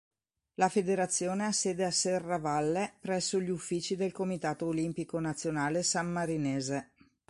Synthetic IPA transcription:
lafed̪eɾat̪sːjoːneasːɛːd̪easːɛrːavalːepɾɛsːoʎiufːiːt͡ʃid̪elkomit̪aːt̪oːlimpikonat̪sːjonaːlesamːaɾineːze

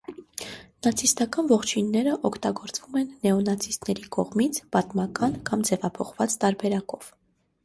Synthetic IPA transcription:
nɑt͡sʰist̪ɑkɑnvɔχt͡ʃʰinːɛɾəʔɔkʰt̪ɑɡɔɾt͡svumɛnːɛɔnɑt͡sʰist̪nɛɾikɔʁmit͡sʰpɑt̪mɑkɑnkɑmd͡zɛvɑpʰɔχvɑt͡st̪ɑɾbɛɾɑkɔv̥

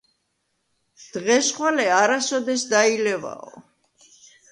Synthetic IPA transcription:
d̪̥ʁɛsχwalɛaɾasɔd̪ɛsd̪ailɛva̰ɔ̰

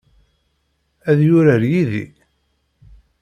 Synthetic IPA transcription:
æðjʊɾəɾjiðḭ

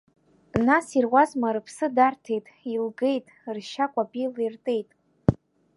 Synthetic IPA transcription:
nasirwʷazmaɾɨpʰsɨdartʰe̞jtʼilɡe̞jtʼrʃakʷʼapʼilirtʼe̞jtʼ

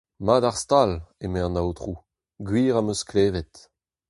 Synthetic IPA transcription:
maːdaʁst̪alemɛʁnawt̪ʁuː | ɡɥiːʁamøskleːvɛt̪

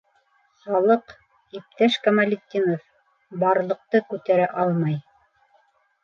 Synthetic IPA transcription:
χɑlˠɤq | ip̚t̪æʃkamalʲɪt̪ʲːinof | bɑɾlˠɤ̆q̚t̪ɤkʉt̪æɾæʔɑlˠmɑj

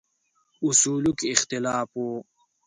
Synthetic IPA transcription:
usuːlukixt̪ilaːfoː

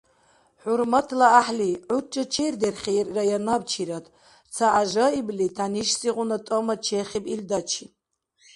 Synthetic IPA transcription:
ħuɾmatʰlaaħliʕut͡ʃʼɨt͡ʃʰerd̪erχʲirːajanab̚t͡ʃʰiɾat̪ʰʼ | t͡sʰaʔaʒaiblitʰaniʃsiʁʷʊnatʼɔmat͡ʃʰeχʲibild̪at͡ʃʰi

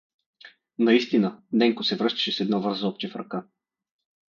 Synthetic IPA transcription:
nɐist̪inənɛŋkʊsɛvɾɤʃt̪ə̥ʃɛsɛd̪nɔvɤɾzɔp̚t͡ʃɛfɾɐ̰ka

